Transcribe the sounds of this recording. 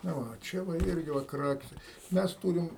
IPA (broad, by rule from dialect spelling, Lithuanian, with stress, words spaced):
nɐ ˈʋɐ oː ˈt͡ʃʲɛ ʋɐ ˈɪrʲɡʲɪ ʋɐ ˈkrɑːkʲɪsʲɛ ˈmʲɛs ˈtuːrʲɪm